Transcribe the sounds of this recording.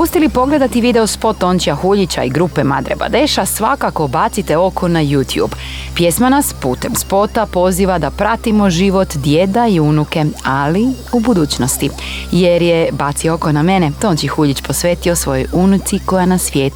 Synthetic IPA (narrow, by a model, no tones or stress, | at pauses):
ust̪ʲjelipo̞ɡle̞d̪at̪iʋid̪e̞ospo̞t̪ːo̞nt͡ʃijaxuʎit͡ɕa̰iɡɾupemad̪ɾḛba̰d̪eʃasʋakako̞bat̪sit̪e̞o̞ko̞najuːt̪jṵb | pje̞smanaspuːt̪e̞mspo̞t̪apo̞ziːʋad̪apɾat̪imo̞ʒiʋo̞t̪d̪jed̪aiunuke̞ali | ubud̪uːt͡ɕno̞st̪ijeɾjebat̪sio̞ko̞name̞net̪oːnt͡ʃjxuʎit͡ɕpo̞sʋeːt̪io̞sʋo̞jo̞junut̪siko̞janasʋjeːt̪u